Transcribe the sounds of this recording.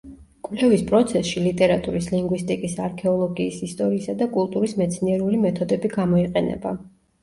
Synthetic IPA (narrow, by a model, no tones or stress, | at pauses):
kʼwvlɛvispʼɾɔt̪sʰɛsʃilit̪ʼɛɾat̪ʼuɾisliŋɡwist̪ʼikʼisaɾkʰɛɔlˠɔɡiːsist̪ʼɔɾiːsad̪akʼulˠt̪ʼuɾismɛt̪sʰniɛɾulimɛt̪ʰɔd̪ɛbiɡamɔiqʼɛnɛ̰ba